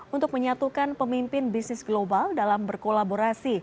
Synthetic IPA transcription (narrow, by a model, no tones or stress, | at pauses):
unt̪ʊk̚məɲat̪ukanpəmimpɪnbisnɪsɡlobaldalambərkolaboɾasi